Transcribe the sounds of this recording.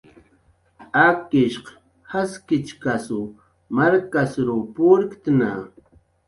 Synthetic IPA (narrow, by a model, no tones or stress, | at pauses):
akɪʃq | haskɪt͡ʃkasu | maɾkasɾupʊɾkt̪na